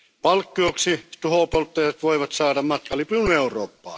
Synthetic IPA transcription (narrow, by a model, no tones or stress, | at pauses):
pɑlkːioksit̪uhopolt̪ːɑjɑt̪ʋoiʋɑt̪sɑːdɑmmɑt̪kɑlipiuneurˑo̰ːpːɑ̰ː